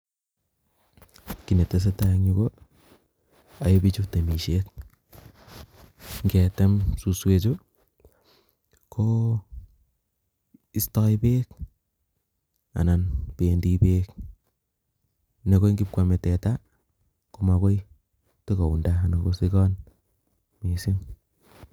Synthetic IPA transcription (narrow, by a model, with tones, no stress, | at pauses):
ki˨ne˨te˦s̬e˦ta˦ɲi˦ko˦ | a˨jo˦bi˦t͡ʃu˦kte˨mi˨ʃek | ŋɡe˨te˦msu˨swe˨t͡ʃo˦ | kʰo | i˦stɔ˦jpeː˦k | a̰˨na˨npe˨ndi˦peː˦k | ne˨ko˦ŋɡi˦p̚kwa˨me˨tɛ˨ta˦ | ku˦ma˨ko˦j | te˦ko˨u˨nda˦a˨na˨ko˦si˦kɔ˦n | mi˨si˦m